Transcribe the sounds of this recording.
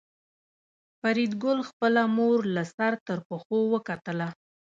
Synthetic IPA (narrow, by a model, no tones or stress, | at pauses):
faɾid̪ɡʊlxpəlamoɾlasaɾt̪əɾpəxowəkat̪əla